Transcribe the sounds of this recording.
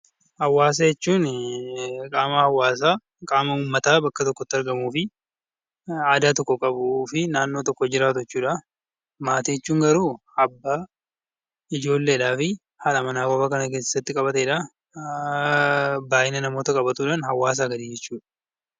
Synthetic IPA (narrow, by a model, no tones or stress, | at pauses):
hɐwːaːs̬ɐjɛt͡ʃːuːn | kʼaːmɐhɐwːaːs̬aː | kʼaːmɐʊmːɐt̪aːbɐkːɐt̪ɔkːɔt̪ːɪɐɾɡɐmuːfɪ | aːd̪aːt̪ɔkːɔkʼɐbʊːfɪnaːnːo̞ːt̪ɔkːɔd͡ʒɪɾaːt̪ɛt͡ʃːuːᶑa | maːt̪ijɛt͡ʃːuːŋɡɐɾuː | ɐbːaː | ɪd͡ʒo̞ːlːeːᶑaːfɪ | halɐmɐnaːɡoːbɐkɐnɐkeːsɪ̥sːɐt̪ːɪkʼɐbɐt̪eːᶑa | baːʔɪnɐnɐmo̞ːt̪ɐkʼɐbɐt̪uːᶑaːnhɐwːaːs̬ɐɡɐd̪iːd͡ʒɛt͡ʃːuːᶑɐ̥